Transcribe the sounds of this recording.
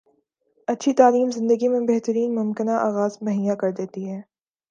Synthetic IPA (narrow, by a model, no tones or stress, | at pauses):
ɐtːʃʰit̪aːliːmzɪ̃nd̪əɡimẽbɛɦt̪əɾiːnmʊmkɪnaʔaːɣaːzmɐɦiːjakɐɾd̪eːt̪iɦɛː